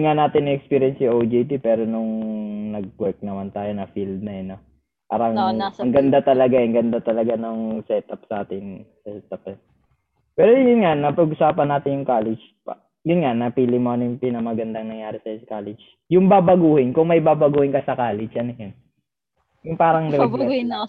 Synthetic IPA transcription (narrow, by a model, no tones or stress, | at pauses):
ɪŋanaːt̪ɪnɪʔɛkspiɾjɛnsiʔod͡ʒit̪ipɛːɾo̞nʊŋnɐɡ̚wɛɹk̚nɐmant̪aːjonɐfild̪̚nɐjɐno | pa̰ːɾɐŋɐŋɡɐnd̪at̪ɐlɐɡaɐŋɡɐnd̪at̪ɐlɐɡanoŋsɛt̪ɐpsʔaːt̪ɪnsɛsɛt̪ɐpɛn | pɛːɾojjʊnŋanɐpɐɡʔʊsaːpɐnːaːt̪ɪnjʊŋkaːlɛd͡ʒ | pa | jʊnŋanɐpilɪmoɐnɪŋpinɐmɐɡɐnd̪ɐŋnɐŋjaːɾɪsɐnkaːlɛd͡ʒ | jʊŋbaːbɐɡuːhɪnkʊŋmɐjbaːbɐɡuːhɪnkɐsɐkaːlɛd͡ʒʔɐnɐjʊn | jʊŋpaːɾɐŋd̪ɪɾɛɡ̪